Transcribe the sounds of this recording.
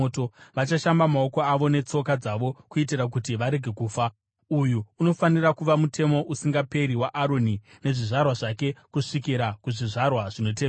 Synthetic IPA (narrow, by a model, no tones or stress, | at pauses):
otoʋat͡ʃaʃambamao̞ko̞aʋo̞ne̞t͡so̞kad͡zaʋo̞kuit̬irak̬utiʋaɾe̞ɡʱe̞kuːfa | ujuːno̞fanirakuʋamutʰe̞mo̞ʔusiŋɡape̞ɾiwaʔaɾo̞ni | ne̞ʐiʐarwaʐake̞kuʂik̬iɾakuʐiʐarwaʐino̞t̬e